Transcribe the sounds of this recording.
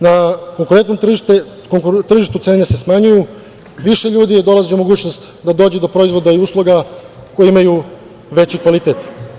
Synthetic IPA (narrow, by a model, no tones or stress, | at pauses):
nako̞ŋkuɾent̪no̞t̪r̩ʒiʃt̪e | koŋkut̪r̩ʒiʃt̪ut̪se̞ːne̞se̞smaɲuju | ʋiʃe̞ʎuːd̪ijed̪o̞lˠaziumo̞ɡuːt͡ɕno̞st̪ | d̪ad̪o̞ːd͡ʑed̪o̞pɾo̞izʋo̞d̪aiuːslˠoɡa | ko̞jeimaju | ʋe̞t͡ɕikʋalit̪eːt̪